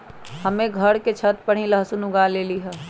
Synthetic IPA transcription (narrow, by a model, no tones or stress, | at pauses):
həmẽɡʱəɽket͡ʃʰət̪pəɽ̤ĩləɦsunʊɡaleːliɦɛː